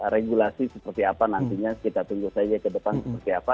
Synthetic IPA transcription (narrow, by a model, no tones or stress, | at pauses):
ɾeɡulasisəpərt̪iapanant̪iɲakit̪at̪uŋɡusad͡ʒakədəpansəpərt̪iapa